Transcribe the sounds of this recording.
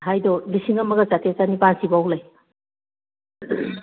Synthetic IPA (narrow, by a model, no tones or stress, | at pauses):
ɦajdɔlisiŋɐmɐɡat͡ʃatʰet͡ʃanipansibawlaj